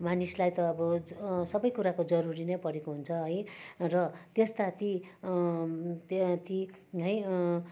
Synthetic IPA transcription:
manislajt̪ʌːbʌsʌbʌjkuɾakod͡zʌɾuɾinʌjpʌɾekoɦunt͡sʰʌɦʌjrʌt̪est̪at̪i | t̪t̪i | ɦʌj

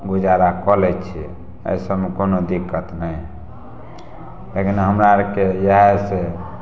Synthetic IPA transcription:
ɡud͡ʒaɾakɔlɛt͡ʃʰḭ | ə̰jsəmekonod̪ikːət̪nəj | lekinɦəmɾaɾkejaɦese

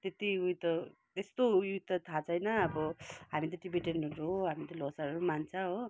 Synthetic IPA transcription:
t̪et̪iujt̪ʌ | t̪est̪ojut̪ːʌt̪ʰat͡sʰʌjnʌːbʌɦamit̪̬ʌʈibiʈenɾooɦamit̪ʌlosaɾɾumant͡sʰãɦo

